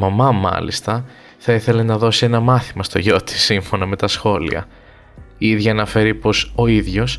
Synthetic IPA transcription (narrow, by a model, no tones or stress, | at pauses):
mɐmɐmɐ̰lḭst̪ɐ | θɐiθe̞le̞nɐðo̞sie̞nɐmɐθimɐst̪o̞ʝo̞t̪i̥siɱfo̞nɐme̞t̪ɐsxo̞lḭɐ̰ | iiðʝɐːnɐfe̞ɾipo̞so̞iðʝo̞s